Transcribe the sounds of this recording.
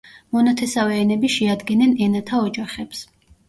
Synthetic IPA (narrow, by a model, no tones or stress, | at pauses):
mɔnat̪ʰɛsawɛːnɛbiʃɛad̪ɡɛnɛnɛnat̪ʰaɔd͡ʒaχɛps